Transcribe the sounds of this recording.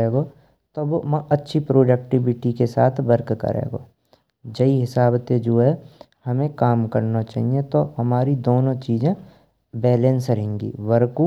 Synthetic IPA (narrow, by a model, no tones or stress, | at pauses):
eːɡo | t̪ɐbmɐ̃ʔɐtːʃʰipɾoːɖək̚ʈɪʋɪʈikesa̰ːt̪ʰbɐɾkkə̰ɾḛːɡo̰ː | d͡ʒɐiɦɪsaːbt̪ed͡ʒoːɦɛ | hɐmẽkaːmkɐɾnat͡ʃa̰ːɦiẽt̪oɦɐmaːɾid̪oːnõt͡ʃiːzẽ | bɛːlẽnsɾɐɦẽːŋɡḭːʋɐɾku